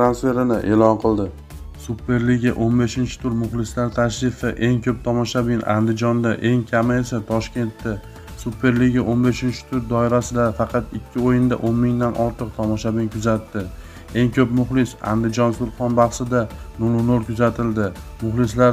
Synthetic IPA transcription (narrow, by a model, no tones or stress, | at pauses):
t̪ɾansfe̞ɾɪnɪʔe̞ːlɒnqʰɨlˠd̪ɪ | supʰːe̞ɾliɡʲaʔonbe̞ʃɪnt͡ʃʰɪ̥t̪ʰʊɾmʊχlˠɪslaɾt̪ʰaʃɾɪfɪʔe̞ŋkʲʰɵp̚t̪ʰɒmɒʃabɪna̰nd̪ɪd͡ʒɒnd̪aʔe̞ŋkʲʰamɪesat̪ʰɒʃkʲe̞nt̪ːa | supʰːe̞ɾliɡʲaʔonbe̞ʃɪnt͡ʃʰɪ̥t̪ʰʊɾd̪ɒɪɾasɪd̪afɑqʰɑt̪ɪkʲʰːɪojɪnd̪aʔonmɪŋd̪anʔɒɾt̪ʰɨq̚t̪ʰɒmɒʃabinkʰʊzat̪ːɪ | e̞ŋkʲʰɵpmʊχlˠɪsa̰nd̪ɪd͡ʒɒnsʊɾqɒnbɑχsɪd̪anolˠʊnoɾkʰʲʊzat̪ʰɪld̪ɪmʊχlˠɪslaɾ